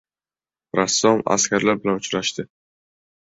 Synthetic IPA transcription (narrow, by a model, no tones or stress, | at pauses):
ɾasːɒma̰skʲaɾlaɾbɪlanʊt͡ʃɾaʃt̪ɪ